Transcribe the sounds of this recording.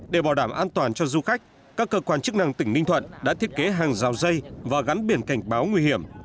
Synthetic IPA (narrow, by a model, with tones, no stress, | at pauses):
ɗe˧˩ɓaː˧˩ɗaː˧˩mʔaː˧nt̪waː˨˩nt͡ɕɔ˧zu˧xa˦˥k̟̚ | kaː˦˥kːəː˧kwaː˧nt͡ɕɨ˦˥k̚na˧ŋt̪ï˧˩ŋ̟nï˧ŋ̟t̪ʰwə̰˧˨nɗa̰ː˧˥t̪ʰi˦˥ət̚ke˨˦ɦaː˨˩ŋzaː˨˩wzə˧jvaː˨˩ɣa˨˦nɓi˧˩ənka˧˩jŋ̟ɓaː˨˦wŋwi˧hi˧˩əm